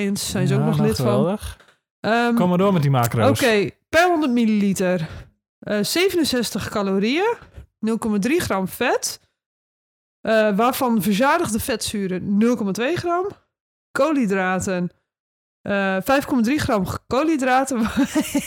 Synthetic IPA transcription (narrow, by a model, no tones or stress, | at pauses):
ənsːɛjnzəoknɔxlɪtffɔə | əkomədoəmɛtdimakrooskeːpɛhondərtmililitər | əseːvənənsɛstəxkaloːɾiənɵlˠkomadriχrɔmfɛt | ʔəʋafɔnvərzaːdəɣdəfɛtsyːɾənɵlˠkomatʋeːχrɔm | kʰoːlidraːtən | fɛjfkɔmadriχrɔmkoːlidraːtə